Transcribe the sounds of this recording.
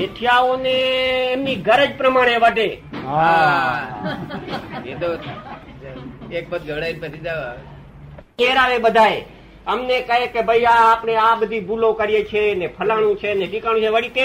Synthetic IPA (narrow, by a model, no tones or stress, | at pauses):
eʈʰijaoneːmniɡəɾəd͡ʒpɾəmaːɽ̃eʋəɖeɦa | ed̪o | ek̚bət̪̚ɡʱəʋɽainpt̪ʰid̪a | eɾaʋeɓəd̪ʱae | əmnekəɦekebʱəjjaːpneaɓəd̪ʱibulõkəɾijet͡ʃʰenepʰəlaɽ̃ũt͡ʃʰeneɖikãũt͡ʃʰeʋəɽit̪e